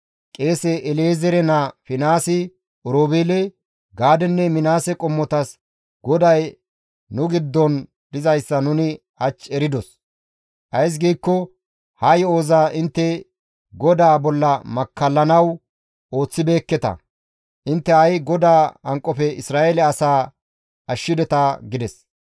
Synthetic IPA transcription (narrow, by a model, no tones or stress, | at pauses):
kʼe̞ːsɛʔɛleːzɛɾɛnɐfɪnaːsɪ | ɔɾoːbeːlɛ | ɡaːd̪ɛnːɛmɪnaːsɛkʼɔmːɔt̪ɐs | ɡɔd̪ɐj | nʊɡɪd̪ːɔn | d̪̥ɪzɐjsːɐnʊnɪ | hɐt͡ʃːɛɾɪd̪ɔs | ʔɐjs̬ɡiːkːɔ | hɐjo̞ːzaːʔɪnt̪ːɛ | ɡɔd̪aːbɔlːɐmɐkːɐlːɐnɐw | o̞ːt͡sːɪbeːkːɛt̪ɐ̰ | ʔɪnt̪ːɛɐjɡɔd̪aːɐŋkʼːɔpɛɪsɾaːelɛɐsaː | ɐʃːɪd̪ɛt̪ɐɡɪd̪ɛs